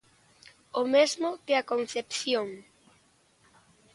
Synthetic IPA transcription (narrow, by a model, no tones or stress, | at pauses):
omezmʊkɪakonθepθjoŋ